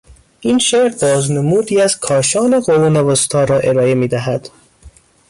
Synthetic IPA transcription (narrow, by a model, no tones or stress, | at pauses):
ʔiːnʃeɾbɒːznemuːd̪iːæz̥kʰɒːʃɒːneɣoɾunevost̪ʰɒːɾɒːʔe̞ɾɒːe̞miːd̪æɦæd̪̥